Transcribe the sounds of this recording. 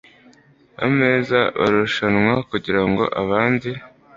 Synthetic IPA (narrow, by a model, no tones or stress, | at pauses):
βa̰me̞ːzaβa̰ɾuʃanŋwakuɟiɾaŋɡo̞̰ʔaβaːndi